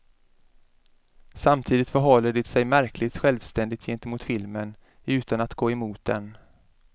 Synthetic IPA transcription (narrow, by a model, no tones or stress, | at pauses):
samt̪ʰiːd̪ɪt̪fœɾɦɔlːəɖɪt̪sɛjmæɾklɪt̪ɧɛlvst̪ɛnd̪ɪt̪ʰjɛnt̪əmʊːt̪fɪlmən | ʉ̟ːt̪anat̪ɡoːɛmuːt̪̚d̪ɛ̰n